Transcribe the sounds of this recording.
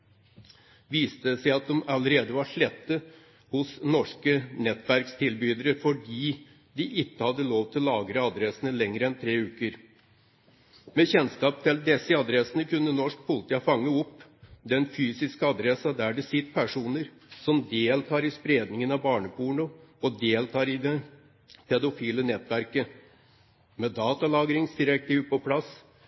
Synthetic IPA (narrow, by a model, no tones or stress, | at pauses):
ʋiːst̪əsæɪɑt̪̚d̪ɔmɑləɾeːd̪əʋɑʂɭɛt̪ːə | hʊsnɔʂkənɛt̪ːʋæɾkst̪ʰɪlbyːd̪əɾəfɔɖiː | d̪ɪʔɪkːəhɑd̪ːəloːʋt̪ʰɪllɑːɡɾəɑd̪ɾɛsənəlɛŋɾəɛnt̪ʰɾeːʉːkəɾ | meçɛnskɑːp̚t̪ʰɪld̪ɛsəɑd̪ɾɛsənəkʉnːənɔʂk̚pʰʊlt̪əɑfɑŋːəɔpːd̪ɛnfyːsɪskəɑd̪ɾɛsɑd̪æɖɛsɪt̪ːpʰæʂuːnəɾ | sɔmd̪eːlt̪ʰɑːɾɪspɾeːd̪nɪŋənɑbɑːɳəpuːɳʊɔd̪eːlt̪ʰɑːɾɪd̪ɛ | pʰɛd̪ʊfiːlənɛt̪ʋæɾkə | mɛd̪ɑːt̪ɑlɑːɡɾɪŋsd̪ɪɾɛk̚t̪iːʋpɔpʰlɑs